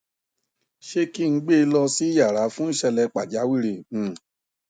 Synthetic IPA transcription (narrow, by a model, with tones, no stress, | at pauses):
ʃe˧ki˦ŋ̩˧˦ɡ͡be˦˧lɔ˧si˦ja˦˨ɾa˨˦fũ˦ʃɛ˧lɛ˧k͡pa˨d͡ʒa˨˦wi˦ɾẽ˧˨